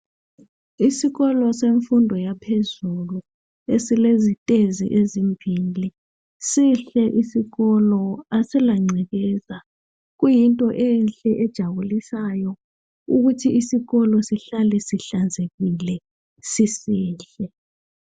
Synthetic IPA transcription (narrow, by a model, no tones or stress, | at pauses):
isiɣɔlɔseɱfundʱɔjapʰezulu | esilezitʼezḭʔezimbʱili | siɬɛʔisiɣɔlɔasɛlaŋ͡ǀʱɛɣɛza | ɣujintʼɔʔɛnɬɛʔɛd̥ʒ̥ʱaβulisajɔ | uɣutʰiisiɣɔlɔsiɬalɛsiɬand͡zʱeɣilɛ | sisiːɬɛ